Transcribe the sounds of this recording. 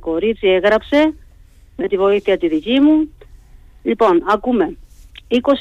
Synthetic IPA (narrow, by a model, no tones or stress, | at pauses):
ko̞ɾit͡sieɣɾɐpse̞ | met̪ivo̞iθiɐt̪iðicimu | ʎipo̞nɐkume̞iko̞s